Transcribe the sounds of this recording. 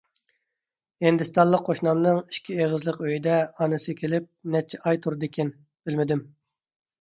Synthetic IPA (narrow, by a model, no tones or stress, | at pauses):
hind̪ɪst̪ɑnlˠəqʰːoʃnɑmnɨŋi̥ʃkʲʰieʁəzlˠəqøjid̪ɛɑnɨsɨkʲʰelɪp̚nɛt͡ʃʰːɛɑjt̪ʰuɾd̪ɪkʲɛn | b̥ɪlmɪd̪ɪm